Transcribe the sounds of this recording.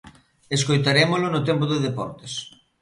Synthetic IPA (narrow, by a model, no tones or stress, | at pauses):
eskojt̪aɾemʊlʊnʊt̪empʊðɪðepɔ̰ɾt̪e̥s